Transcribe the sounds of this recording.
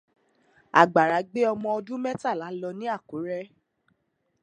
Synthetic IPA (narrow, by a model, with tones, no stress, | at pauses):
a̰˨ɡ͡ba˨ɾa˨˦ɡ͡be˦ɔ˧mɔ̃˧ɔ˧dũ˦mɛ˦ta˦˨la˨˦lɔ˧nĩ˦a˦˨ku˨˦ɾɛ˦